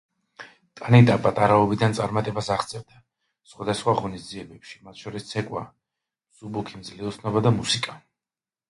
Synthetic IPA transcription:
t̪ʼanit̪ʼapʼat̪ʼaɾaɔbid̪ant̪sʼaɾmat̪ʼɛbasaχt̪sʼɛvd̪a | sχwad̪asχwaʁɔnisziɛbɛpʃi̥mat̪ʰʃɔɾist̪sʰɛkʼwa̰ | mz̥ubukʰimd̪zliɔt̪sʰnɔbad̪amusikʼa

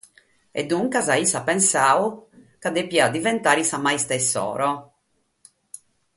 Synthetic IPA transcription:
ɛ̰d̪ːuŋkazaisapɛnsaːwkad̪epiad̪ivɛnt̪aːɾisamajst̪ɛsːɔ̰ːɾɔ

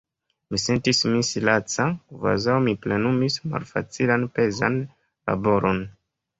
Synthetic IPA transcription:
mise̞ntismisilat͡sakva̰zawmiplenumisma̰lfa̰t͡silanpe̞za̰n | la̰bo̞ɾʔon

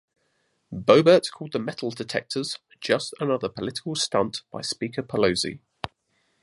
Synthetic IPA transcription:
b̥əʊbəˑtskʰɔːlˠd̪̚ðəmɛtʰˡəlˠdɪtʰɛ̰k̚tʰəz̥ | d͡ʒʌstənʌðəpʰəlɪtɪ̥kəlˠstʌ̃nʔb̥aɪspiˑkʰəpʰələʊzḭ

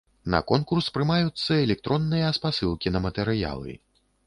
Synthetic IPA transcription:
nɐ̰kɔnkurspɾɨmajut̪sːɐɛlʲɛk̚t̪ɾɔnːɨjɐːspasɨlˠkʲinɐmɐt̪ɛɾɨja̰lˠɨ̰

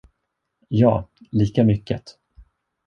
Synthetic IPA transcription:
jɑːliːkamʏkːə̰t̪

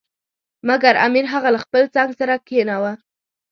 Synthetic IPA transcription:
maɡaɾa̰miɾɦaɣalaxpəlt͡sɑŋɡsaɾakenawa

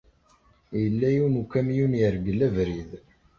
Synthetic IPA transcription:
jəlːæjuwnukːæmjunjəɾɡəlævɾið

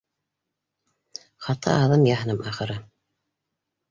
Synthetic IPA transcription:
χɑt̪ʰɑ̰ːðɤmjɑɦɤ̆nɤmɑχɤ̆ɾɤ

